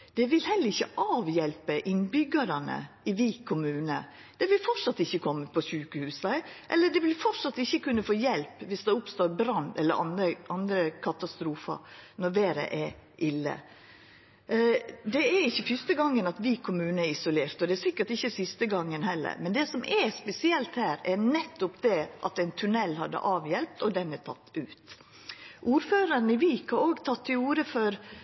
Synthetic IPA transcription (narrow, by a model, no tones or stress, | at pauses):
d̪̥ɛʋɪlhɛlːəɾɪçːə̰ʔɑːʋjɛlpəʔɪnbʏɡɑɾɑnə̰ | ɪʋiːkʰʊmʉːnə̰ | d̪̥ɛʋɪlfɔʈsɑt̪ːɪçːəkʰɔmːəpʰɔsʉːkəhʉːsəʔɛ̰lːəɖɛʋɪlfɔʈʂɑt̪ːɪçːəkʉnːəfoːjɛlpʋɪsd̪ɛʊpst̪oːɾbɾɑnd̪ɛlːə̰ɾʔɑ̰nəʔɑnd̪ɾəkʰɑt̪ɑst̪ɾuːfɑ̰ɾnɔɾʋeːɾə̰ʔɛɾʔɪlːə̰ | d̪ɛæɾɪçːəfʏst̪əɡɑŋːənɑt̪ʋɪkʰʊmʉːnəæɾɪsʊleːɾt̪ɔd̪ɛæsɪkːəʈɪçːəsɪst̪əɡɑŋːənhɛlːə̰ɾmɛnd̪ɛsɔmʔɛspɛsɪɛlt̪hæːɾɛɾnɛt̪ːʊpd̪ɛʔɑt̪æɪnt̪ʰʉnɛlːhɑd̪ːə̰ʔɑːʋjɛlp̚t̪ɔd̪ɛnæt̪ʰɑ̰t̪ːʉːt̪ | ʔuːɾføːɾəɾnəʋiːkʰɑoːɡt̪ʰɑt̪ʰːɪluːɾəfɔɾ